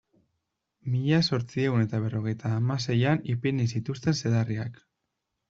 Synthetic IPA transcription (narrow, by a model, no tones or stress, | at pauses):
miʎaso̞ɾt͡sie̞une̞t̪aβ̞e̞ro̞ɣ̞e̞jt̪aːmase̞janipinisit̪ust̪e̞nse̞ðariak